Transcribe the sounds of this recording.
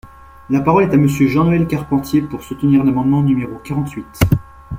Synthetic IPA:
lapaʁɔlɛt̪aməsjøʒɑ̃noɛlkaʁpɑ̃t̪jepuʁsut̪əniʁnamɑ̃d̪mɑ̃nymeʁokaʁɑ̃t̪ɥit̪

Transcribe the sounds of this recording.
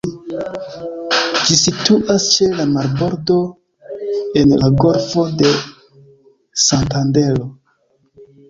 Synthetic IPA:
d͡ʒisituʔast͡ʃe̞lamaɾbo̞ɾdo̞ | e̞nlaɡo̞ɾfo̞de̞ | santande̞lo̞

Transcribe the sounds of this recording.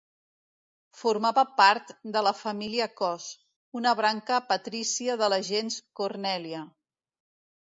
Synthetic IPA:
fuɾmaβəpaɾt̪d̪ələfəmiliəkɔs | unəβɾaŋkəpət̪ɾisiəðələʒenskurnɛliə

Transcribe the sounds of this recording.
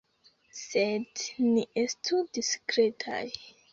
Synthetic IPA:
sedniestʰudiskɾe̞tʰa̰j

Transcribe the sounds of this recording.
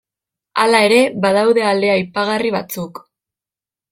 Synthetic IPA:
a̰lae̞ɾe̞βaðawðe̞ald̪e̞ajpaɣariβat͡suk

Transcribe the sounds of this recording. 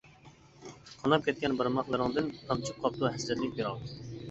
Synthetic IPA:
qʰɑnɑp̚kʲʰɛt̪̚kʲɛnbɨɾmɑχlˠɨɾɨŋd̪ɨnt̪ʰɑmt͡ʃʰup̚qʰɑp̚t̪uɦɛsd̪ɛt̪lɪk̚ʲbeɾɑlˠ

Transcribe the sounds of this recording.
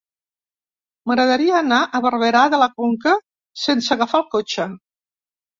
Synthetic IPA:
məɣɾəðəɾiəːnaʔəβərβəɾaðələkoŋkə | sensəɣəfalˠkot͡ʃə

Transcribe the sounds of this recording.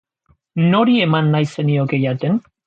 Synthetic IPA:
noɾiemanːajse̞niokejat̪en

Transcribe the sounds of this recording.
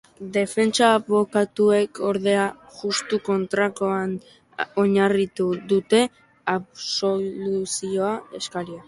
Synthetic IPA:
d̪e̞fe̞nt͡saβo̞kat̪ue̞kʰo̞ɾðe̞aʝust̪uko̞nt̪ɾakoan | o̞ɲarit̪uðut̪e̞ | aβso̞lusio̞ae̞skaɾia

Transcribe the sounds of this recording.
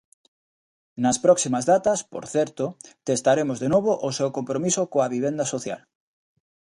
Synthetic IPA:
nɐspɾɔksimazðat̪ɐspo̰ɾθɛɾt̪ot̪est̪aɾemozðenoβ̞oʔosewkompɾomisokoaβiβ̞end̪ɐsoθja̰l

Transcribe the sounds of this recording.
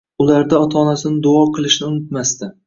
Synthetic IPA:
ʊlaɾd̪aɒt̪ʰɒːnasɪnɪd̪ʊɒqʰɨlˠɪʃnɪʊnɪt̪mast̪ɪ

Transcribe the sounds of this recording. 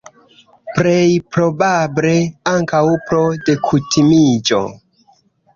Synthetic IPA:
pɾejpɾo̞bable̞aŋkawpɾo̞de̞kʰutʰimid͡ʒo̞̰

